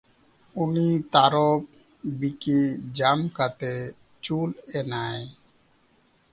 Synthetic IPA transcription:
unit̪aɾɔp̚ | biked͡ʒamkat̪e | t͡ʃulɛnae

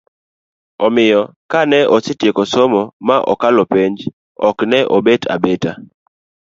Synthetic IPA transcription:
ɔmɪjɔkanɛʔɔsɪtjekɔsɔmɔmaʔɔ̰kalɔpeɲd͡ʒ | ɔknɛʔɔbetʰa̰beta

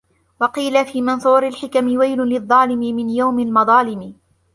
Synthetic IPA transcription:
wɑqiːlafiːmɨnsˤuːɾalħɪkamɪwajlʊlɨðˤːɑːlɪmɪmɪnjawmɪlmɑðˤɑːlɪmɪ

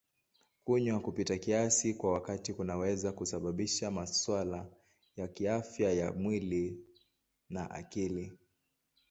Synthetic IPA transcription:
kuɲwakupitakiasikwawakatikunawɛzakusaɓaɓiʃamaswala | jakiafjajamwili | naʔa̰kili

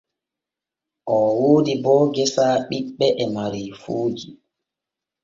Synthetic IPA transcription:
ʔɔːwoːdibɔːɡɛsaːɓiɓːɛʔɛmaɾiːfoːd͡ʒi

